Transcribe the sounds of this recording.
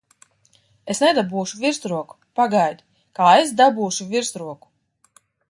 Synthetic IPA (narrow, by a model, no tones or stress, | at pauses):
esnɛd̪abuːʃuvʲiɾst̪ɾuɔku̥paɡajd̪ʲi | kaːes̬d̪abuːʃuvʲiɾst̪ɾuɔku̥